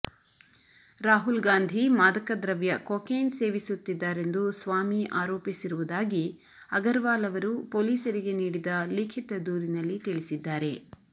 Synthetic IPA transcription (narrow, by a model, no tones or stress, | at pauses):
ɾaːɦulɡaːnd̪ʱimaːd̪ɐkɐd̪ɾɐʋjɐkoːkeːnse̞ːʋisut̪ːid̪ːaːɾe̞nd̪usʋaːmiʔaːɾoːpisiɾuʋud̪aːɡi | ɐɡɐɾʋaːlɐʋɐɾupoːliːsɐɾiɡe̞niːɽid̪ɐliːkʰit̪ɐd̪uːɾinɐlːit̪iɭisid̪ːaːɾe̞